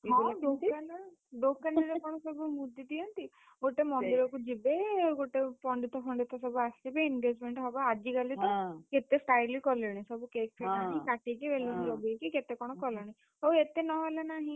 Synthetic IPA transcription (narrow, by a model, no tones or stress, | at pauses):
ɖokana | ɖokanaɾekɔɽ̃ɔsɔbumud̪ʱid̪ijɔnt̪i | ɡoʈemɔnd̪iɾɔkud͡ʒibeɡoʈepɔɳɖit̪ɔkʰɔɳɖit̪ɔsɔbuasibeinɡed͡ʒmeɳʈɦɔbaːd͡ʒiɡaliɔket̪esʈajlikɔleɽ̃ĩsɔbukek̚pʰelaĩkaʈik̬ibeliniɔbuekiket̪ekɔɽ̃ɔkɔlɔɽ̃ĩ | ɦowet̪enɔɦɔlanaɦĩ